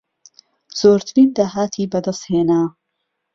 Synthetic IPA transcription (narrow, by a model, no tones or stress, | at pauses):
z̥oːɾt̪ʰɨɾiːnd̪aːɦaːt̪ʰiːbɐd̪ɐst̪heːnaː